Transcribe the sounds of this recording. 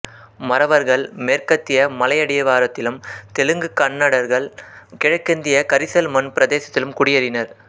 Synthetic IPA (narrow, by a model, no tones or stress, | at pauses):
mɐɾɐʋɐɾɣɐɭmeːɾkɐt̪ːɪjɐmɐlɐjɐɽɪjɐʋaːɾɐt̪ːɪlɯmt̪ɛlɯŋɡɯkɐɳːɐɽɐɾɣɐɭkɪɻɐkːɪnd̪ɪjɐkɐɾɪsɐlmɐnpɪɾɐd̪eːsɐt̪ːɪlɯmkʊɽɪjɐɾɪnɐɾ